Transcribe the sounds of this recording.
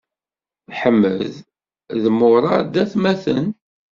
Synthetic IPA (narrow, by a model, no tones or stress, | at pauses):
ħəmːəð | ðəmːʊɾˤɑd̪æθmæθən